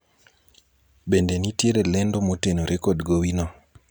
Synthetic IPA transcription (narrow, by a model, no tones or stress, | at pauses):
bendenitjeɾelɛndomotenoɾʔekodɡowinɔ